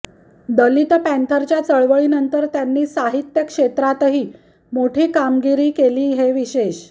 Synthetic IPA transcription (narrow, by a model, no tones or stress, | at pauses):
d̪əlit̪pæ̃nt̪ʰəɾt͡ɕjat͡səɭʋəɭiːnənt̪əɾt̪janːiːsaɦit̪jəkʂet̪ɾat̪ɦiː | moʈʰiːkamɡiɾiːkeliːɦeʋiɕeɕ